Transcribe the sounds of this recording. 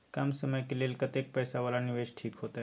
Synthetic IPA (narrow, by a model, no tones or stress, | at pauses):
kamsəməjkeleːlkət̪ek̚pɛːsaʋaːlanɪʋeːʃʈʰiːkɦoːt̪a